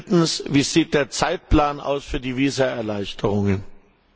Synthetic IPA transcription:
tn̩sviːz̥iːt̚d̥eːɐt͡saɪt̚plaːnʔa̰ʊsfyːɐdiːviːzɐɛɐlaɪçtʰəʁʊŋən

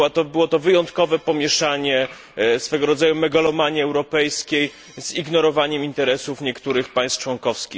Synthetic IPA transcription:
at̪ɔbɘwɔt̪ɔvɘjɔnt̪kɔvɛpɔmʲjɛʂaɲɛ | sfɛɡɔɾɔd̪zajumɛɡalɔmaɲiɛwɾɔpɛjskʲej | z̥iɡnɔɾɔvaɲɛmint̪ɛɾɛsufɲɛkt̪uɾɘxpaj̃st̪t͡ʂwɔŋkɔfskʲi

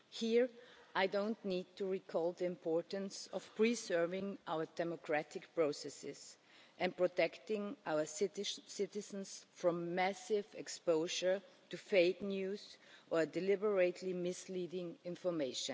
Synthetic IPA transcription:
hiɹʔaɪdõʊ̃nniːd̚tʰuɹikʰɔlˠðiɪ̃mpʰɔɹtə̃n̩sɔfpʰɹ̥isɜ˞vɪ̃ŋʔaʊə˞dɛmɔkʰɹ̥ætʰɪkpɹoʊsɛsɪ̰z | ʔɛ̃npɹɔtʰɛktɪ̃ŋʔaʊə˞ssɪtɪz̃n̩sfɹɔ̃mːæsɪvɛkspoʊʒə˞tufeɪknjuːzʔə˞dɛlɪbə˞eɪtʰlimɪsliɾɪ̃ŋɪ̃ɱfɔ˞meɪʃə̃n

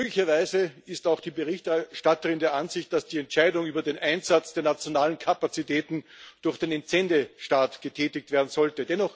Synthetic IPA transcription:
møːɡlɪçɐvaɪzəɪstaʊxd̥iːbəʁɪçtɛʃtatəʁɪndeːɐʔanzɪçt̚d̥asd̥iːɛntʃaɪdʊŋyːbɐdeːnʔaɪnzat͡sd̥eːɐnat͡sjonaːlənkʰapat͡sitɛːtn̩d̥ʊɐxd̥eːnɪnt͡sɛndəʃtaːtɡ̥ətʰɛːtɪk̚tv̥eːɐdn̩zɔltədɛnɔχ

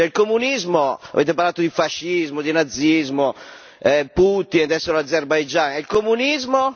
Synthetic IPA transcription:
t͡ʃɛilkomunizmoa̰veːt̪̬ep̬aɾlaːt̪od̪ifaʃːizmod̪inad̪zːizmo | ɛput̪ind̪ɛsːeɾoad̪zerbajd͡ʒanɛilkomunizmo

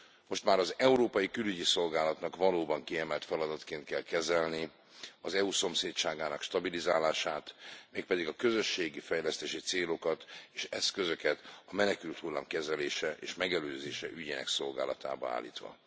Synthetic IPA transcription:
mo̞ʃt̪maːɾɒzɛuɾoːpɒjikylyɟiso̞lɡaːlɒt̪nɒkʋɒloːbɒŋkiɛmɛlt̪fɛlɒd̪ɒt̪keːnt̪̚kɛlkɛzɛlni | ɒzɛuso̞mseːtt͡ʃaːɡaːnɒkʃt̪ɒbilizaːlaːʃaːt̪meːk̚pɛd̪iɡɒkø̞zø̞ʃːeːɡifɛjlɛst̪eːʃit̪seːlo̞kɒt̪eːʃɛskø̞zø̞kɛt̪ɒmɛnɛkylt̪hulːa̰ːmkɛzɛleːʃɛʔḛːʃmɛɡɛløːzeːʃɛ̰ʔyɟeːnɛ̰kso̞lɡa̰ːlɒt̪a̰ːbɒa̰ːlːḭːt̪ʋɒ̰

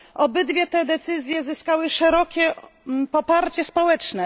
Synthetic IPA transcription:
ʔɔbɘd̪vʲjɛt̪ɛd̪ɛt̪sɘzʲjɛzɘskawɘʂɛɾɔkʲɛpɔpaɾt͡ɕɛspɔwɛt͡ʂnɛ

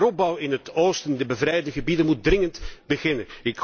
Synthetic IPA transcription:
rɔb̚bɑwɪnɦətoːstəndəbəvrɛjdəɣəbidənmut̚drɪŋəntbəɣɪnənɪk

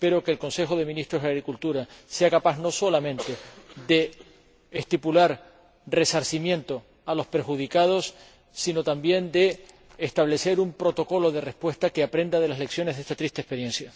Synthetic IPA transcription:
pe̞ɾokeːlko̞nse̞xo̞ð̞e̞mĩnist̪ɾoɦaɣɾikult̪uɾase̞akapazno̞so̞lamẽnt̪e̞d̪e̞ː | st̪ipulaɾ | re̞saɾsimjẽ̞nt̪o̞ | alo̞spe̞ɾxuð̞ikað̞o̞sː | ino̞t̪ambje̞nd̪e̞ː | st̪aβle̞se̞ɾumpɾo̞t̪o̞ko̞lo̞ð̞e̞re̞spwe̞st̪akeapɾe̞nd̪að̞e̞lasle̞ksjo̞neɦðest̪at̪ɾist̪espe̞ɾjẽ̞nsja

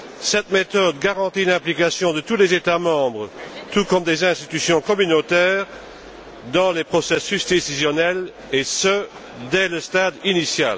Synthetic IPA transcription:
sɛt̪met̪ɔd̪ɡaʁɑ̃t̪ilɛ̃plikasjɔ̃d̪ət̪ulezet̪amɑ̃bʁət̪ukɔmd̪ezɛ̃st̪it̪ysjɔ̃kɔmynot̪ɛːʁ | d̪ɑ̃lepχɔsesysd̪esizjɔnɛl | esə | d̪ɛləst̪ad̪inisja̰l

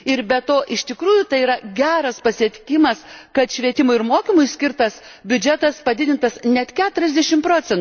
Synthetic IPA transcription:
ɪɾbʲɛt̪oːʔɪʃt̪ʲɪkɾuːjʊt̪ɐɪiɾɐɡʲæːɾɐspɐsʲɪɛt̪ʲɪkʲɪmɐskɐt̪ʃʲʋʲiɛt̪ʲɪmʊɪɪɾmoːkʲimʊɪsʲkʲɪɾt̪ɐs | bʲʊd͡ʒʲɛt̪ɐspɐd̪ʲɪd̪ʲɪnt̪ɐsnʲɛt̪kʲæːt̪ʊɾʲɛzʲd̪ʲɛʃʲɪmpɾoːt͡ssʲɛntː

